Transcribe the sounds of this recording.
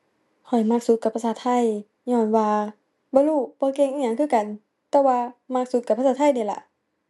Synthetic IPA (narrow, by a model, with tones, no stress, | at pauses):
kʰɔ˨˩jma˧˩k̚su˧˦ka˧pʰːa˧saː˧˦t̪ʰa˧˥˨j | ɲɔː˧˩˨nwaː˧ | bɔː˧˦luː˧˩bɔː˧˦ke˧˨ŋʔiː˧˨ɲaː˧˦ŋkʰɯː˧˥˨ka˨n | t̪ɛː˧˩waː˧ma˧˩k̚su˧˦t̪̚ka˧˩pʰːsaː˧t̪ʰa˧˩jniː˧˩la̰˧ʔ